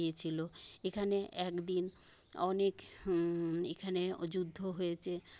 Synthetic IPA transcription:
iet͡ɕʰiloekʰaneɛkd̪in | ɔ̰nek | ekʰaned͡ʑud̪ʱːoɦojet͡ɕʰe

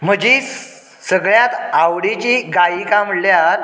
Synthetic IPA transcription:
m̤əd͡ʑi | səɡɭjat̪awɽit͡ɕiɡaikaməɽljaɾ

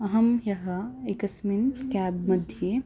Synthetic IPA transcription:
ɐɦɐmjɐɦɐekɐsminkaːbmɐd̪ʱje

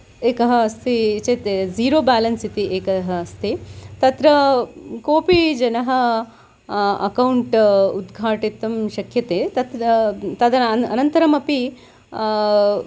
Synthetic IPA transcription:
eːkɐɦɐɐst̪it͡ʃet̪eziːɾoːbaːlɐnsit̪iʔeːkɐɦɐːst̪it̪ɐt̪ɾɐkoːpid͡ʒɐnɐɦɐ̆ | ɐ̰kɐwuɳʈud̪ɡʱaːʈit̪ɐmʃɐkʰjɐt̪eːt̪ɐt̪ɾɐt̪ɐd̪ɐnɐnɐnt̪ɐɾɐmɐpi

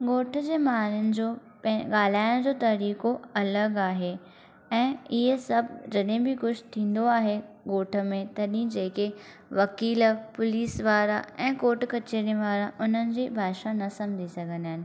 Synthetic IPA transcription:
ɠoːʈʰə̆d͡ʑeːmaːlʊnɪ̆d͡ʑoː | pɠaːl̤aːɪɽ̃d͡ʑoːt̪ɐɾiːkoɐləɡaːɦe | ɛ̃ːɪɦəsɐbʱd͡ʑɐɗẽbɪkʊt͡ɕʰt̪ʰĩːn̆d̪oaːɦe | ɠoːʈʰə̆mẽt̪ɐɗĩd͡ʑeːke | ʋɐkiːlpʊliːsʋaːɾa̰ɛ̃ːkoːʈkɐt͡ɕeːɾĩʋaːɾãʔʊn̤ənɪ̆d͡ʑiːbʱaːʃanɐsɐ̃md͡ʑʱisɐɡʱə̃naːɦɪnɪ̆

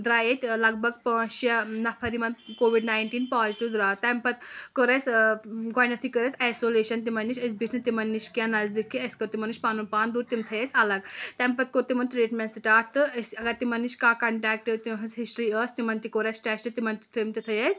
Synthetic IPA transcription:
d̪ɾaːjet̪ʲlɐɡbɐɡpə̃ːʃɐnɐpʰɐɾimɐnkoːʋiɖnajnʈiːnpaːzt̪ud̪ɾaːt̪ɐmpɐt̪koɾɐt͡sɡaːjnɐt̪ʰikəɾɐt͡sʲajsoleːʃɐnt̪imɐnːiʃɐs̬biʈʰnɨt̪imɐnːiʃkʲãnɐzd̪ikʰːiɐskɐɾt̪imɐnuʃpaːnunpaːnd̪uːɾt̪imt̪ʰɐjesɐlɐɡt̪ɛ̃mpɐt̪̚koɾt̪imɐnt̪ɾeːʈmẽnsʈaːʈ̚t̪ɨəsɐɡɐɾt̪imɐnːiʃkaːkɐɳʈɛːk̚ʈɨt̪iɦɐsɦisʈɾiəst̪imɐnt̪ikoɾɐsʈɛːsʈɨt̪imɐnt̪it̪ʰɐmt̪it̪ʰɐjes

